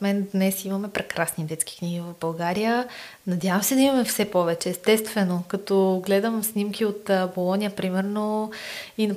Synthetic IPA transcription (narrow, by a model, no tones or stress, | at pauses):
t̪mɛnd̪nɛsimɐmɛpɾɛkɾasnid̪ɛt̪ski̥kniɡivɐvbɐlˠɡaɾijə | nɐd̪ʲjavɐmsɛd̪ɐimɐmɛfsɛpɔvɛt͡ʃɛːst̪ɛst̪vɛnokɐt̪ɔɡlɛd̪əmsnimkʰiot̪ːbolˠɔnʲijəpɾimɛɾno | inɐ